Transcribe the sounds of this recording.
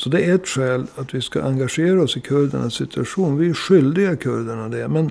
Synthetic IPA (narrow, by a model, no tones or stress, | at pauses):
sɔd̪ɛæɾɛt̪ːɧɛːlat̪ʋɪska̰ʔaŋɡaʂeːɾaɔsɪkʰɵɾd̪ə̰ɳasːɪt̪ʰɵaʂuːnvɪæɾʂʏld̪ɪɡakʰɵɾd̪əɳad̪ɛmɛn